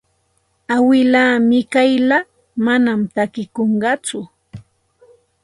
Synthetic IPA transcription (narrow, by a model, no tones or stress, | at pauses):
awɪlaːmɪkajla | manamt̪akɪkoɴɢɑt͡sʊ